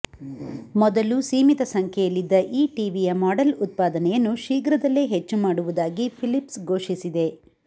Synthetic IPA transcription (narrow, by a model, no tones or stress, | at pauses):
mɔd̪ɐlusiːmit̪ɐsɐŋkʰɛjɐlːid̪ːɐʔiːʈiːʋijɐmaːɖɐlut̪̚paːd̪ɐnɛjɐnːuʃiːɡɾɐd̪ɐlːeːɦet͡ʃːumaːɽuʋud̪aːɡipʰilipsɡʱo̞ːʂisid̪e̞